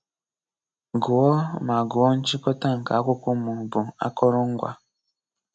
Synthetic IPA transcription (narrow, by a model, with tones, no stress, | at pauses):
ɡu˨wɔ˦ma˨ɡu˨ɔ˦n̩˦t͡ʃi˦kɔ˦ta˦˨ŋ̩˨ka˨˦ku˦ku˦mu˨bu˨a̰˦kɔ˦ɾɔ˦ŋ˦ɡwa̰˦